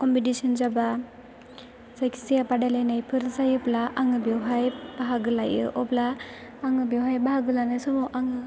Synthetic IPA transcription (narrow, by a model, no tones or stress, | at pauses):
kɔmpitisɔnzaba | zajkʰi̥sijapadajlajnajpʰɯɾzajɯblaʔaŋɯbjewɦajb̥aɦaɡɯlajɯ̰ʔɔplaːŋɯbawɦajbahaɡɯlanajsɔmɔʔaŋɯ